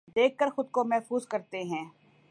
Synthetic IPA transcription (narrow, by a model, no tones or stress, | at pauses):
d̪eːkːəɾxʊd̪̚komɛɦfuːzkɐɾt̪eɦɛ̃ː